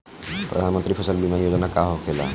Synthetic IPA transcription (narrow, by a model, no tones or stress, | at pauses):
pɾə̰d̪ʱaːnmənt̪ɾipʰəsəlbimanijoːd͡ʒnakaɦokʰela̰